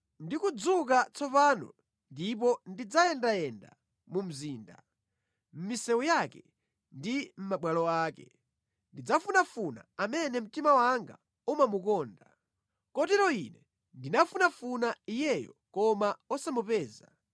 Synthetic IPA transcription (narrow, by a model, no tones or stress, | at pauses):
ndikud͡zuk̬at͡sʰɔpaːnɔ̰ | ndip̬ɔndid͡zajɛndajɛnda̰ | mum̩ziːnda̰ | m̩misɛwujakɛ | ndim̩maɓwalɔaːkɛ | ndid͡zafunafuna̰amɛnɛm̩timawaŋɡa̰ | umamukɔːnda | kɔtɛɾɔinɛ | ndinafunafunaijɛjɔ̰kɔmaɔsamupɛːza